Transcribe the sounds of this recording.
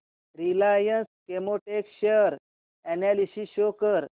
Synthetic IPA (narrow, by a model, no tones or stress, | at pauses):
ɾilajənskemoʈekɕeɾ | ɛnalisiɕokəɾ